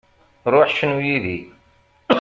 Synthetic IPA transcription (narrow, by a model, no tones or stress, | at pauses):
ɾˤʊħʃnujiðḭ